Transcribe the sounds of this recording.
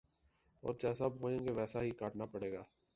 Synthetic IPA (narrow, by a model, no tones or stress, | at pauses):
ɔ̰ːɾd͡ʒɛːsabʱoːẽːɡeʋɛːsaɦikaːʈnapəɽeːɡaː